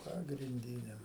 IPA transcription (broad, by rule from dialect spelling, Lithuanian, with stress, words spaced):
pɐɡrʲɪnʲˈdʲiːnʲɛ